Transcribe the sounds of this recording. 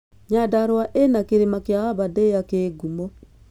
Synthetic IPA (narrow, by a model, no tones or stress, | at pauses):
ɲadaɾwaʔenakeɾemakejaaβadejakeːɡumɔ